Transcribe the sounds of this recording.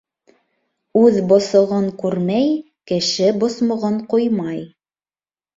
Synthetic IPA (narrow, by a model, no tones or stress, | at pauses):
ʉðbŏsŏʁɤɴkʉɾmæj | kɘ̆ʃɘbŏsmŏʁɤɴqojmɑj